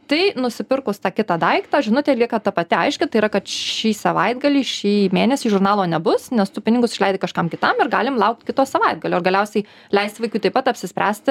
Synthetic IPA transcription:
t̪ɐɪnʊsʲɪpʲɪrkʊst̪ɑːkʲɪt̪ɑd̪ɐɪkt̪ɑːʒʲɪnʊt̪ʲɛlʲiɛkɑt̪ɐpɐt̪ʲɪɐɪʃʲkʲɪt̪ɐɪiːɾɐkɐt̪ʃʲiːsɐʋɐɪd̪ɡɐlʲiːʃʲiːmʲeːnʲɛsʲiːʒʊrnɑːlˠoːnʲɛbʊsnʲɛst̪ʊpʲɪnʲɪɡʊsɪʃlʲɛɪd̪ʲɪkɐʃkɐmkʲɪt̪ɐmɪrɡɑːlʲɪmlˠɐʊk̚t̪ʲkʲɪt̪oːsɐʋɐɪd̪̚ɡɐlʲoːɾɡɐlʲɛʊsʲɛɪ | lʲɛɪst̪ʋɐɪkʲuːt̪ɐɪpɐt̪ɐpʲsʲɪsʲpɾʲæːsʲt̪ʲ

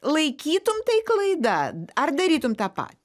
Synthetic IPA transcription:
lˠɐɪkʲiːt̪ʊmt̪ɐɪklˠɐɪd̪ɐɐrd̪ɐɾʲiːt̪ʊmt̪ɑːpɑ̰ːt̪ʲi

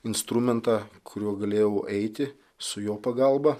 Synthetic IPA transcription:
ɪnst̪ɾʊmʲɛnt̪ɑːkʰʊɾʲuɔɡɐlʲeːjɛʊʔɛɪt̪ʲɪ | sʊjoːpɐɡɐˑlˠbɐ

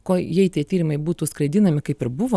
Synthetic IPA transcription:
koːjɛɪt̪ʲiɛtʲiːɾʲɪmɐɪbuːt̪uːskɾɐɪd̪ʲɪnɐmʲɪkɐɪpɪɾbʊʋo

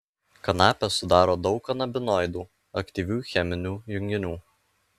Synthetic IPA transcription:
kɐnɑːpʲɛsʊd̪ɑːɾoːd̪ɒʊkɐnɐbʲɪnɔɪd̪uː | ɐkt̪ʲiːʋʲuːxʲɛmʲɪnʲuːjʊŋʲɡʲɪnʲuː

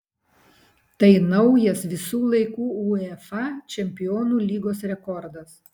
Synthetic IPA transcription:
t̪ɐɪnɒʊjɛsʋʲɪsuːlˠɐɪkuːuːɛfɑt͡ʃʲɛmʲpʲɪjoːnuːlʲiːɡoːsɾʲɛkɔɾd̪ɐs

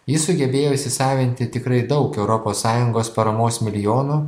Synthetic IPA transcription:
jɪsʊɡʲɛbʲeːjoːsʲɪsɑːʋʲɪnʲt̪ʲɪt̪ʲɪkɾɐɪd̪ɒʊkɛʊɾɔpoːsːɑːjʊŋɡoːspɐɾɐmoːsmʲɪlʲɪjoːnu

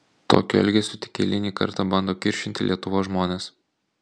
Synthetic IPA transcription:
t̪o̰ːkʲʊɛ̰lʲɡʲɛsʲʊt̪ʲɪ̥kʲḛːlʲɪnʲiːkɐ̰ɾt̪ɑbɐnd̪oːkʲɪɾʲʃʲɪnt̪ʲɪlʲiɛt̪ʊʋoːsʒmoːnʲeːs

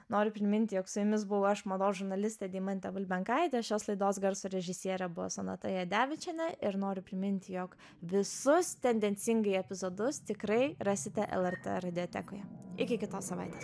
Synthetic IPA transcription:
noːɾʲʊpʲɾʲɪmʲɪnʲt̪ʲɪjoːksʊjʊmʲɪsbʊʋʊɐʃmɐd̪oːsʒʊɾnɐlʲɪsʲt̪ʲɛd̪ʲiːmɐnʲt̪ʲɛʋʊlʲbʲɛŋkɐɪd̪ʲɛʃʲoːslˠɐɪd̪oːsɡɐɾsuːɾʲɛʒʲɪsʲiɛɾʲɛbʊʋo̰sonɐt̪ɐjɛd̪ʲæːʋʲɪt͡ʃʲɛnʲɛɪɾnoːɾʲʊpʲɾʲɪmʲɪnʲt̪ʲɪjoːk | ʋʲɪsʊst̪ʲɛnʲd̪ʲɛnʲsʲɪŋɡɐɪɛpʲɪzod̪ʊst̪ʲɪkɾɐɪɾɑsʲɪt̪ʲɛʔɛ̰lˠɛɾt̪ḛɾɐd̪ʲɪoːt̪ʲɛ̰koːjɛɪkʲɪkʲɪt̪oːssɐʋɐɪt̪ʲeːs

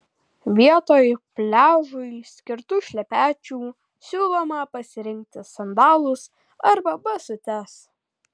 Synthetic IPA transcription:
ʋʲiɛt̪oːjpʲlʲæːʒʊɪsʲkʲɪɾt̪uːʃʲlʲɛpʲæːt͡ʃʲuː | sʲuːlˠomɐpɐsʲɪɾʲɪŋʲk̚t̪ʲɪsɐnd̪ɑːlˠʊs | ɐɾbɐbɐsʊt̪ʲɛs

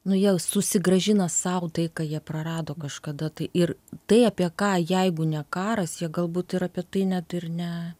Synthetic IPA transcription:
nʊjiɛsʊsʲɪɡrɐʒʲɪnɐsɐʊt̪ɐɪkɑːjiɛprɐrɑːd̪oːkɐʃkɐd̪ɐt̪ɐɪʔɪrt̪ɐɪɑpʲiɛkɑːjɛɪɡʊnʲɛkɑːɾɐsjiɛɡɐlˠbuːt̪ɪɾɐpʲiɛt̪ɐɪnʲæt̪ɪrnʲɛ

